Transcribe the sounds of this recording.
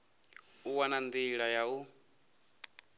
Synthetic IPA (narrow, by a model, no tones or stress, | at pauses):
uwanand̪iɺajau